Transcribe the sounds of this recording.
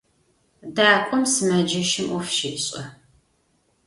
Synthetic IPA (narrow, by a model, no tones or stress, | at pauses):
daːkʷʼɔmsɨmɐd͡ʒɐʃɪmufʃɪpɕʼɐ